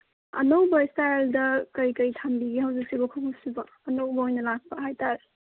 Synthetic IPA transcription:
ɐ̰nowbɐstajldɐkɐjkɐjtʰambiɡihawzik̚sibɐkʰokʰusibɐ | ɐnowbɐojnɐlak̚pɐɦajtaɾ

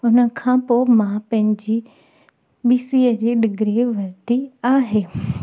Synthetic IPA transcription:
ʊnə̆kʰãpoːmãpɐ̃ɦɪ̃ɲd͡ʑi | ɓiːsiəd͡ʑeːɖɪɡɾeʋɐɾt̪iaːɦeː

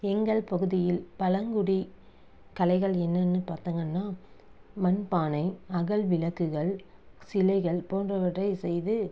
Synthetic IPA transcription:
ɛŋɡɐɭpɐɣɯðɪjɪlpɐlɐŋɡɯɽi | kɐlɐɪɣɐɭɛnːɐnːɯpaːɾt̪ɯŋɡɐnːaːmɐnpaːnɐɪɐɣɐɭʋɪlɐkːɯɣɐɭsɪlɐɪɣɐɭpoːndrɐʋɐʈːɐɪsɛjðɯ

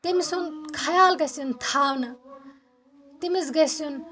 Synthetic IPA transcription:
t̪imisunkʰɐjaːlɡɐsint̪ʰaːwnɐ | t̪imizɡɐsun

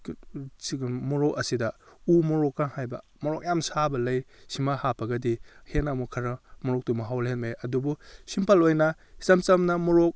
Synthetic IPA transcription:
mɔɾɔkɐsidɐumɔɾɔkːaŋhajbɐ̰ | mɔɾɔk̚jamsabɐlɐjsimahapʰɐɡɐdihenamukʰɐɾɐmɔɾɔk̚tumaɦawlɦenmaeɐdubusimpʰalojnɐ | isamt͡ʃɐmnɐmɔɾɔk̚

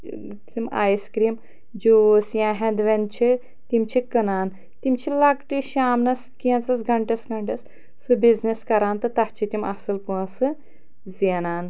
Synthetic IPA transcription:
t͡sima̰ːjskɾiːm | d͡ʒoːsjãːɦɐ̃nd̪ʋɐnt͡ʃʰi | t̪imt͡ʃʰikɨnaːn | t̪imt͡ʃʰilɐɡʈiʃaːmnɐskinsɐsɡʱɐɳʈɐsɡɐɳʈɐs | sɨbizniskɐɾaːnt̪ɨt̪ɐht͡ʃʰit̪imɐ̰sɨlpuɐsɨ | zinaːn

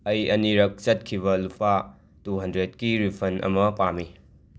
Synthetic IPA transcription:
ɐjɐniɾɐk̚t͡ʃɐt̚kʰibɐlupʰa | tuɦɐndɾet̚kiɾipʰɐnɐ̰mɐpami

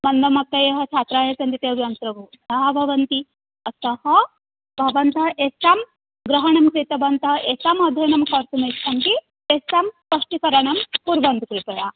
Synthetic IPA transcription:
mɐnd̪ɐmɐk̚t̪ɐjɐɦɐt͡ʃʰaːt̪ɾaːjɐsɐnt̪it̪eʋjɐnt̪ɾɐʋud̪aɦbʱɐʋɐnt̪i | ɐsɐhɐ | bʱɐʋɐnt̪ɐɦʔesaːm | ɡɾɐɦɐɳɐmkɾit̪ɐbɐnt̪ɐɦʔesaːmɐd̪ʱɐjnɐmkɐɾt̪umɐsɐnt̪i | t̪esaːmspɐʂʈikɐɾɐɳɐmpuɾbɐnd̪ukɾit̪ɐja

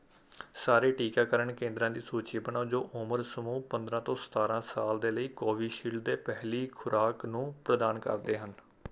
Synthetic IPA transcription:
saːɾeːʈiːkaːkəɾəɳkẽːnd̪ɾãːd̪iːsuːt͡ʃiːbənaːd͡ʒoːʔʊməɾsəmuːpə̃nd̪ɾãːt̪õːsə̥t̪aːɾãːsaːld̪eːləiːkoːʋiːʃiːlɖd̪eːpɛɦliːkʰʊɾʔaːknũːpɾəd̪aːnkə̰ɾd̪eːɦən

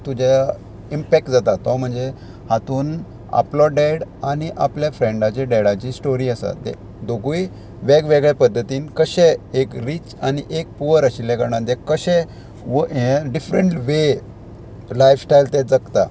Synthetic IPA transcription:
t̪ud͡ʑa | impɛk̚ʈd͡zat̪at̪ɔm̤əɳd͡ze | hat̪uːn | a̰plɔɖeɽaniʔapljafɾẽɳɖat͡ɕeɖeɽat͡ɕiːsʈoɾiːəsa̰d̪ɛ̰ | d̪oɡuj | ʋeɡʋeɡɭepəd̪ʱːət̪iːnkəɕɛekɾiːt͡ɕaniʔek̚puʋəɾəɕilɛɡəɾɽ̃ãd̪ɛkəɕɛ̃ | ʋəẽɖifɾəɳʈʋe | lajfsʈajlt̪ɛd͡zəkt̪a̰

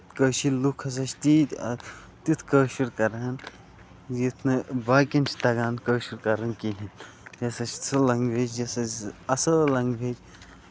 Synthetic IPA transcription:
kəːʃilukʰɐs̬ɐt͡ʃʰt̪it̪ɐ | t̪it̪ʰkəːʃuɾkɐɾaːn | jit̪ʰnɨbaːkint͡ʃʰt̪ɐɡaːnkəːʃuɾkɐɾɐnkiɦʲin | jɐsɐt͡ʃʰɐlɐŋɡbʱeːt͡ʃjɐsɐɐsəːlɐŋɡbʱeːd͡ʒ

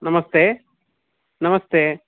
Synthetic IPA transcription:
nɐmɐst̪eː | nɐmɐst̪eː

